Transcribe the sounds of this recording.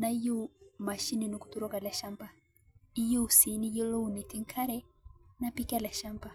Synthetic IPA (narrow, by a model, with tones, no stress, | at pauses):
na˦i˦ju˦ma˨ʃi˦ni˨nu˨ku̥˦tu˦ɾɔ˦ka˨la˨ʃa˦mba˨ | i˦ju˦˨si˨˦ni˦ji˦lɔ˦u˨ni˨ti˦ŋkʰa˦ɾɛ˦napi˦ka˦la˨ʃa˦mba˨